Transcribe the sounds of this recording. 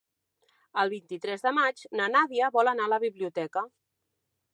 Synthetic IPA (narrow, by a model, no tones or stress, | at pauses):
əlˠβint̪it̪ɾɛzðəmad͡ʒnənaðiəβɔlənaələβiβliut̪ɛkə